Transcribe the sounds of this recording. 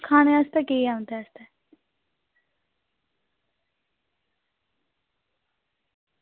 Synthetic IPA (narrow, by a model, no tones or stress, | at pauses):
kʰaːñeəst̪ɛkeiaːʊ̃nd̪ɛːəst̪ɛː